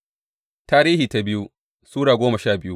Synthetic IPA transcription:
taː˦ɾiː˦hiː˨ta˦bɪ˦ju˦ | suː˦ɽaː˨ɡʷoː˦mɐ˨ʃaː˦˨bɪ˦ju˦

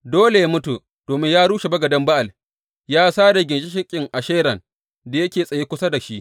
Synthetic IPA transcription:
doː˦le˨ja˦mʊ˦tu˨ | d̥oː˨mɪ˦ɲjaː˦ɽuː˦ʃe˨bɐ˦ɡɐ˨dɐ˦mba˦ʔa˨l | jaː˦saː˦da˨ɡʲɪ˨nʃi˦ʃɪ˦kʲʼɪ˨ŋʔa˨ʃeː˦ɾɐ˨ŋ | da˨jɐ˦kʲeː˨sʼɐ˨jeː˦kʷʊ˦sa˦da˨ʃi˦ʔ

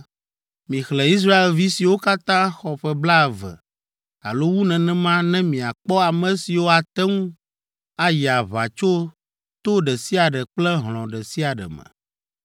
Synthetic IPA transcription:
mĩ˨xlɛ˨i˦s̬ɾa˦e˨lvi˦si˨wo˦ka˦t̪ã˦xɔ˨ɸɛ˦bla˦˨vɛ̰˨ | a̰˨lo˦wu˦nɛ̃˨nɛ̃˦mã˦nɛ̃˦mĩ˨a˨k͡pɔ˦a˨mɛ̃˨si˨wo˦a˨t̪ɛ˦ŋũ˦ | a˦ja˨βa˨t͡ʃo˦ | t̪o˦ɖɛ˨si˦a˨ɖɛ˨k͡plɛ˦ɦl̃ɔ̃˨ɖɛ˨si˦a˨ɖɛ̰˨mɛ̰̃˨

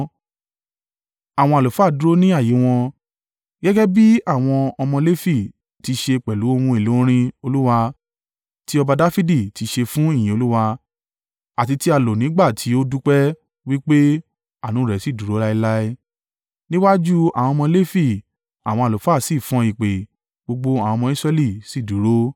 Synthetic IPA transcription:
a˦˨w̃ɔ̃˧a˨o˨fa˦˨du˦ɾo˦nĩ˦a˦˨ji˨˦w̃ɔ̃˧ | ɡɛ˦ɡɛ˦bi˦a˦˨w̃ɔ̃˧ɔ˧mɔ̃˧le˦fi˦˨ | ti˧ʃe˧k͡pɛ˨lu˨˦o˧mũ˧e˨lo˨˦ɾ̃ĩ˧o˧lu˦wa˧ | ti˦ɔ˧ba˧da˦fi˦di˦˨ti˧ʃe˧fũ˦i˦˨j̃ĩ˨o˧lu˦wa˧ | a˨ti˧ti˦a˧lo˨nĩ˨˦ɡ͡ba˦˨tʰi˨˦o˦du˦k͡pɛ˦ | wi˦k͡pe˦ | a˦˨nũ˨˦˨ɾɛ˨si˦˨du˨˦ɾo˨˦la˦i˧la˦i˦ | nĩ˦wa˦d͡ʒu˦a̰˨w̃ɔ̃˧mɔ̃˧le˦fi˦˨ | a̰˨w̃ɔ̃˧a˨lo˨fa˦˨si˦˨fɔ̃˨˧i˨k͡pe˨ | ɡ͡bo˧ɡ͡bo˧a˨wɔ̃˧mɔ̃˧˦i˦sɾɛ˧li˦˨si˦˨du˨ɾo˦

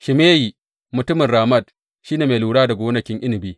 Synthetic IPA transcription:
ʃɪ˨meː˦jiː˨ | mʊ˨tʊ˦mɪ˨ɾaː˨mɐ˦˨d̚ | ʃi˦neː˨meː˨luː˨ɽaː˦da˨ɡʷoː˦nɐ˦kʲɪ˦ŋʔɪ˦nɪ˨biː˦

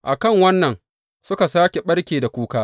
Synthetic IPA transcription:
ʔa˨kɐ˦˨ŋwɐ˦nːɐ˨n | sʊ˦ka˨saː˦kʲe˨ɓɐ˦ɽkʲeː˨da˨kʷuː˦kaː˦

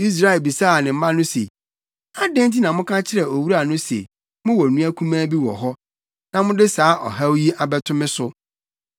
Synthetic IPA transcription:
i˦s̬ɾa˦ɛ˨lbi˨sa˦˨nɪ̃˨m̩˦mã˦nʊ̃˦sḛ˨ | a˦dɛ̃˦n˦tʰi˦nã˨mʊ̃˦kʰã˦t͡ɕʰɪ˦ɾɛ˨o˨wu˦ɾa˨nʊ̃˦sḛ˨ | mʊ̃˦wɔ˨nũ˦æ˦kʰũ˦mãː˦bi˦wɔ̰˨ɦɔ˦ | nã˨mʊ̃˦dɪ˦saː˨˦ʔɔ̰˨ɦa˦wji˦ʔa˨bɛ˦tʰʊ̃˦mɪ̃˦sʊ˦

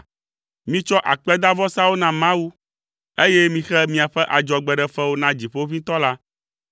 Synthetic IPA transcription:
mĩ˦t͡ʃɔ˦ʔa˨k͡pɛ˦d̪a˦vɔ˦sa˦wo˦nã˨mã˦wu˦ | e˦jɛ˦mĩ˦xɛ˦mĩ˨a˨ɸɛ˦ʔa˨d͡ʒɔ˨ɡ͡bɛ˨ɖɛ˨ɸɛ˦wo˦nã˦d͡ʑi˨ɸo˦vĩ˦t̪ɔ˦la˦

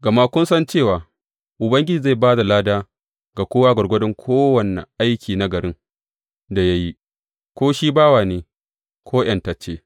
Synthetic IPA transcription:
ɡɐ˨ma˦kʷʊ˦nsɐ˦nt͡ʃeː˦˨waː˨ | ʔʊ˨bɐ˦ŋɡʲɪ˦d͡ʒiː˨za˦˨jbaː˦da˨laː˦daː˦ | ɡa˨kʷoː˦waː˦ɡɐ˨ɾɡʷɐ˦dɪ˦ŋkʷʰoː˦wɐ˨nḛ˨ʔa˦jkʲiː˨na˦ɡɐ˨ɾɪ˦ŋ | da˨ja˦ji˦ | kʷoː˦ʃiː˦baː˦waː˨neː˨ | kʰʷoː˦j̰ɐ˨nta˨t͡ʃeː˦

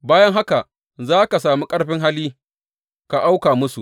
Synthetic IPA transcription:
baː˦jɐ˦ŋɦa˦ka˨ | zaː˦ka˨saː˨muː˦kʼɐ˦ɽɸɪ˦ŋɦa˦liː˦ | ka˨ʔa˦wkaː˨mʊ˦su˨ʔ

